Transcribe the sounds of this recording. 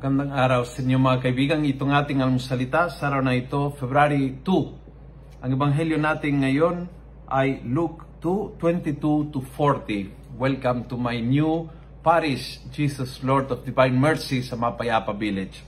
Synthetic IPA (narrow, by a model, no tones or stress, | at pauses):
kand̪aŋaːɾawsɪɲomɐakɐjbiːɡaŋit̪oŋaːt̪iŋalmʊsalit̪asaːɾawnait̪ofɛbɾaɾit̪u | ʔɐŋɛbaŋɦɛljonaːt̪ɪŋŋajon | ʔajluk̚ | t̪ut̪wɛnt̪it̪ut̪ufoɾt̪i | wɛlkamt̪umajnju | paɾisd͡ʒisɐsloɾd̪ɔfd̪ɪvajnmɛɹsisɐmapajapabilɪd͡ʒ